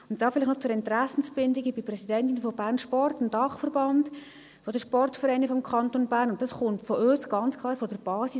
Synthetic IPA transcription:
ʊntd̥ɑːfɪlɪχnɔt͡sʊɾɛntræsn̩sbɪndɪɡəbiprɛsidɛntɪnfɔb̥ærnʃpɔrtɪndɑχfəɾbɑnd | fɔdəʃpɔrtfəɾɛɪnəfɔmkʰɑntonbæːɾnʊnt̚dɑsχʊntfɔʔøːsɡ̥ɑnt͡skʰlˠɑːɾfɔdəɾb̥ɑːsi

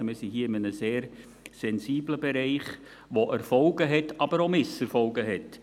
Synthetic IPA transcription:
mɪːsiɦiːɪmənəseːɾ | sɛnsiːbləbɛɾɛɪχ | ʋoʔɛɾfɔlɡəɦɛtɑb̥əɾomɪsɛɾfɔlɡəɦɛt

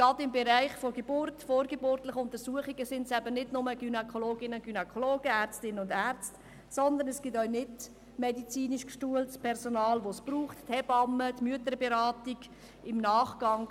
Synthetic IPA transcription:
ɡ̥ɑdɪmbeɾæɪχfoɡeb̥ʊrtfoːɾɡebʊrtlɪχʊnt̪əɾsuəχiɡəsɪndsæbənɪdnʊməɡ̥ynɛkʰoloːɡɪnəɡ̥ynɛkʰoloːɡ̥əæːɾt͡stɪnənʊndæɾt͡st | sɔnd̪ənɛsɡ̥ɪtœʏnɪt | mɛdit͡siːniʃkʃtuəltspʰɛɾsonɑːlʋospruːχttʰɛbɑmːətmyətəɾbeɾɑːtiɡ̥ | ɪmnɑːχɡ̥ɑŋ

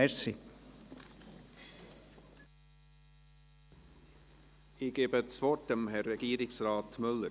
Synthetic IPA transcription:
ɛɾsi | ɪɡ̥eːbət͡svɔt̚d̥əmhɛrɛɡ̥iːɾɪksɾɑːt̪mʏlːə

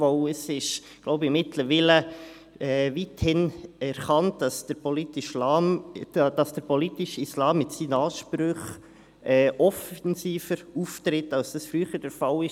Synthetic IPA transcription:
vɔʊəsɪʃ | ɡ̥lɔʊbəɪmɪtləɾʋilə | ɛːvithɪnɛɾχɑntdɑsd̥əɾpɔlitɪʃlɑːmd̥ɑsd̥əɾpɔlitɪʃislɑːmːɪtsiːnəɑːʃpɾøχ | ɛːʔɔfɛnsiːfəɾuft̪ɾɪtːɑlsd̥ɑsfɾyːχəd̥əɾfɑlɪʃ

